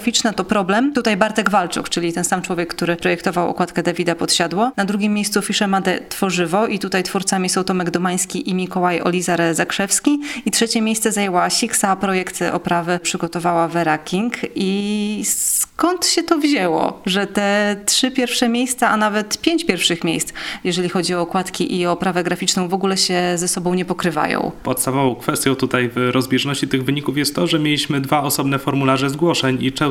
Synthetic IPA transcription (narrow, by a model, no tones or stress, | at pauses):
fʲit͡ʂnat̪ɔpɾɔblɛmt̪ut̪ajbaɾt̪ɛɡvalt͡ʂṵkt͡ʂɘlʲit̪ɛnsamt͡ʂwɔvʲjɛkːt̪uɾɘpɾɔjɛkt̪ɔvawɔ̰kwat̪̚kɛd̪avʲid̪apɔt̪ɕad̪wɔnad̪ɾuɡʲimʲːejst̪sufʲiʂɛmad̪ɛt̪fɔʐɘvɔʔit̪ut̪ajt̪fuɾt̪samʲisɔwt̪ɔmɛɡd̪ɔmaj̃skʲiʔimʲikɔwajɔ̰lʲizaɾzakʂɛfskʲiitʂɛt͡ɕɛmʲjejst̪sɛzajɛwaɕiksapɾɔjɛkt̪ɘʔɔ̰pɾavɘpʂɘɡɔt̪ɔvawavɛɾakʲiŋkʰiskɔnt̪ɕɛt̪ɔvʑɛwɔ̰ʐɛt̪ɛtʂɘpʲjɛɾfʂɛmʲjejst̪saʔanavɛt̪pʲjeɲt͡ɕpʲjɛɾfʂɘxmʲjejst̪sjɛʐɛlʲixɔd͡ʑiɔːkwat̪kʲiʔiɔpɾavɛɡɾafʲit͡ʂnɔ̃w̃vɔɡulɛɕɛzɛsɔbɔ̃w̃ɲɛpɔkɾɘva̰jɔ̰̃w̃pɔt̪st̪avɔvɔ̃w̃kfɛst̪ʲjɔ̃w̃t̪ut̪ajvɾɔzbʲjɛʐnɔɕt͡ɕit̪ɘɣvɘɲikufjɛst̪ːɔʐɛmʲjelʲiɕmɘd̪vaɔsɔbnɛfɔɾmulaʐɛzɡwɔʂɛɲit͡ʂɛ